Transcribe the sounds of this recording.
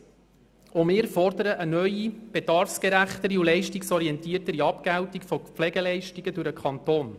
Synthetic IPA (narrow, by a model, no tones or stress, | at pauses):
omɪːɾfɔrd̪əɾəʔənœʏib̥edɑɾfskɛɾæχt̪əɾiulɛɪʃtiksɔɾiɛnt̪iːərtəɾiɑpɡ̥æwtikfɔpflɛɡɛlɛɪʃtiɡ̥ədʊɾəkʰχɑnt̪oːn